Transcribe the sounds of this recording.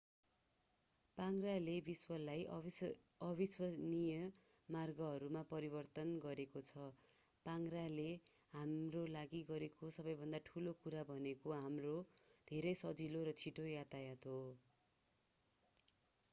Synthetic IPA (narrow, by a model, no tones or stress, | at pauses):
paŋralebiswʌlaj | ʌbiswʌnijʌ | marɡʌɦʌɾumapʌɾibʌrt̪ʌnɡʌɾekot͡sʰʌ | paŋrale | ɦamrolaɡiɡʌɾekosʌbʌjbʱʌnd̪aʈʰulokuɾabʱʌnekoɦamrod̪ʱeɾʌjsʌd͡ziloɾʌt͡sʰiʈojat̪ajat̪ɦo